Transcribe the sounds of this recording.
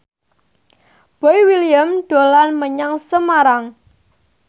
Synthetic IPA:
b̥ojwiliəmɖ̥o̤lanməɲaŋsəmaɾaŋ

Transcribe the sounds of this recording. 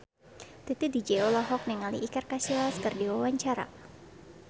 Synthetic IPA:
t̪it̪idid͡ʒɛolaɦɔk̚nɛŋalḭʔːkarkasilaskɨrdiwawaɲt͡ʃaɾa̰

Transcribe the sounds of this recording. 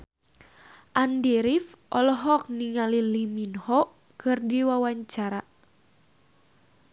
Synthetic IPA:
ʔandiɾifʔɔlɔɦɔk̚niŋaliliminhɔʔ | kɨrdiwawaɲt͡ʃaɾa

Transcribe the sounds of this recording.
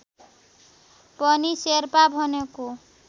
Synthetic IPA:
pʌniseɾpabʱʌneko

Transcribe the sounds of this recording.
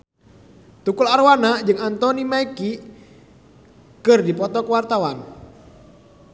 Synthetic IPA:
t̪ukularwanad͡ʒɨŋant̪ɔnimaiki | kɨrdipɔt̪ɔkəwart̪awan

